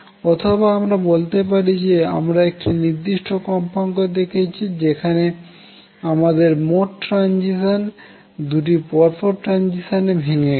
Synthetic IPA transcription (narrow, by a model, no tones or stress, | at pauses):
ɔt̪ʰobaamɾabolt̪epaɾid͡ʑea̰mɾaek̚ʈiniɾd̪iʃʈʰokɔmpaŋkod̪ekʰet͡ɕʰid͡ʑekʰane | amad̪eɾmoʈːɾand͡ʑiʃon | d̪uʈ̬ipɔɾpoɾʈɾand͡ʑiʃonebʱeŋe